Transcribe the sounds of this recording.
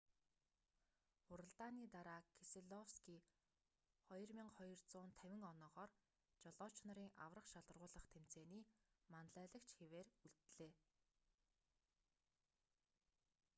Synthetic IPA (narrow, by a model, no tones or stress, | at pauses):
χʊɾə̆ɮt̪aːniːt̪aɾaːkʰeseɮɔwskiː | χɔjɞ̆rmʲiɴχɔjɞ̆rt͡sʊːnt̪ʰæwʲɪ̆ŋɔnɔːʁɔːr | t͡ɕɔɮɔːt͡ɕnɔ̆ɾiːŋʔa̰wrə̆qʃaɮə̆rʁʊːɮə̆χt̪ʰem̥t͡seːniːmanɮæːɮə̆kt͡ɕxeweːruɮt̪ɮeː